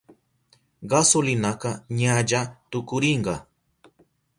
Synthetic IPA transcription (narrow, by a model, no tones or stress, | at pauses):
ɢɑsʊlɪnakɑɲaʎat̪ʊkʊɾɪɴɢɑ